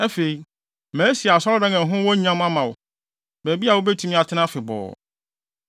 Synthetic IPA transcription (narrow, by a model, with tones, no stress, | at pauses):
ɛ˦fe˨i˨ | mæ̃ː˨˦si˨a˨sɔ˦ɾɔ˦dã˦ŋɛ̃˨ɦʊ̃˦wɔ˦ɲ˦ã˦m˦ã˦mã˨wʊ˨ | bæː˨bi˦a˨wo˦bɛ˦tʰũ˨˦mĩ˦a˨tʰɪ˦nã˦fɪ˨bɔ̰ː˨